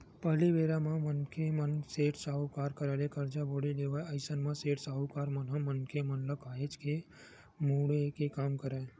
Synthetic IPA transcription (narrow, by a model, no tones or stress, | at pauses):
pəɦliʋeːɾamãmənkʰemənseːʈsaːɦukaːɾkəɾalekəɾd͡ʒaboɽileːʋaəɪsənmãseːʈsaːɦukaːɾmənɦãmənkʰemənləkaːɦet͡ʃke | muɽekekaːmkəɾa